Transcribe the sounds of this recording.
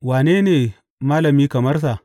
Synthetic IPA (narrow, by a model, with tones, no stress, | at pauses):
waː˨neː˦neː˨ | maː˦lɐ˨miː˦kɐ˨mɐ˦rsa˨ʔ